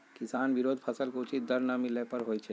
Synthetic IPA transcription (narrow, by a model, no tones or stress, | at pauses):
kɪsaːnʋɪɾoːd̪ʱpʰɐsəlkoʊt͡ʃit̪̚d̪əɾnamɪlepɐɾɦoːjt͡ʃʰe